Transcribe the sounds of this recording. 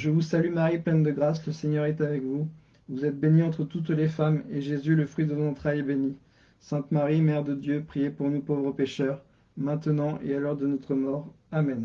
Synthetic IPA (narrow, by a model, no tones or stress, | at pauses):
ʒəvusalymaʁiplɛnd̪əɡʁasləseɲœʁɛt̪avɛkvu | vuzɛt̪̚beniɑ̃t̪χət̪ut̪lefameʒezyləfχɥid̪əɑ̃t̪χajɛbeni | sɛ̃t̪maʁimɛʁd̪əd̪jøpχijepuʁnupovʁəpeʃœʁ | mɛ̃t̪ənɑ̃ʔḛalɔʁd̪ənɔt̪χəmɔʁamɛn